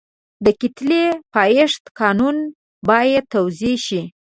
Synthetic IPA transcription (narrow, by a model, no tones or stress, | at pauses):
d̪əkit̪lepɑjɪʂt̪kɑnun | bɑjat̪ːawzeʃi